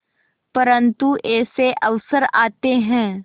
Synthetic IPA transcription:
pɐɾə̃nt̪uʔɛːseʔɐʋsəɾaːt̪eɦɛ̃ː

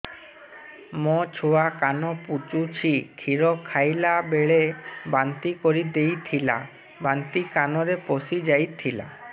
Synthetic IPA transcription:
mɔt͡ʃʰowakanɔput͡ʃut͡ʃʰiʈʰiɾɔkʰajlabeɭebant̪ikɔɾid̪ejt̪ʰila̰ | bant̪ikanɔɾepɔsid͡ʒajt̪ʰila̰

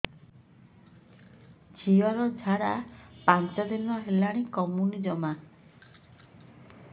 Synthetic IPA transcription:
d͡ʒʰʱiwaɾɔd͡ʒʱaɾapant͡ʃad̪inɔɦelaɽ̃ikɔmunid͡ʒɔma

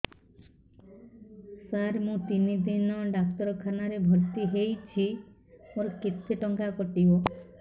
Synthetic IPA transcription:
saɾmũt̪inid̪inɔɖak̚t̪ɔɾɔkʰanaɾebʱɔɾt̪iɦejt͡ʃʰi | oɾket̪ʰːeʈɔŋkakɔʈibɔ

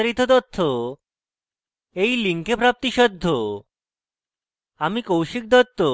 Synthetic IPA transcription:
ɾit̪ʰɔd̪ɔt̪ʰːo | ejliŋkʰepɾap̚t̪iʃɔd̪ʱːo | amikowɕik̚d̪ɔt̪ʰːo

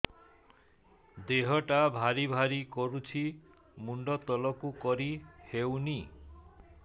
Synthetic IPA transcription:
d̪eɦɔʈabʱaɾibʱaɾikɔɾut͡ʃʰi | muɳɖɔt̪ɔlɔkukɔɾihewni

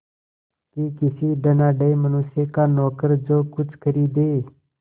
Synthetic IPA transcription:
kikɪsiːɖ̪ənaːɖəemənʊsjekaːnɔːkəɾd͡ʒoːkʊt͡ʃʰkʰəɾiːd̪eː

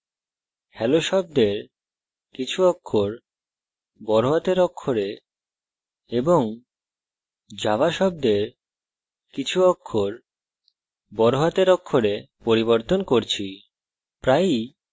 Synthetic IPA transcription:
hʰɛloʃɔb̚d̪eɾ | kit͡ɕʰukʰːoɾ | bɔɾoɦat̪eɾɔkʰːoɾe | eboŋ | d͡ʑaβaʃɔb̚d̪eɾ | kit͡ɕʰuɔkʰːoɾ | bɔɾoɦat̪eɾɔkʰːoɾe | poɾiboɾt̪onkoɾt͡ɕʰi | pɾaj

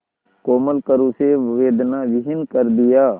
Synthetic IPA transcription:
koːməlkəɾũseʋeːd̪naʋɪɦɪnkəɾd̪ɪjaː

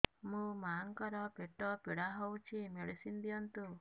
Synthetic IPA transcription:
mũmaŋkɔɾɔpeʈɔpiɽaɦowt͡ʃʰimeɽisind̪iɔnt̪u

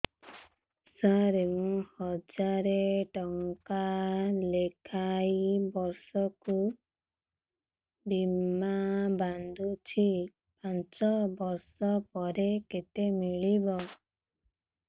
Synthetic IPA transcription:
saɾemũhɔd͡ʒaɾeʈɔŋkalekʰajbɔɾsɔku | bimaband̪ʱut͡ʃʰi | pant͡ʃɔbɔɾsɔpɔɾeket̪emiɭibɔ

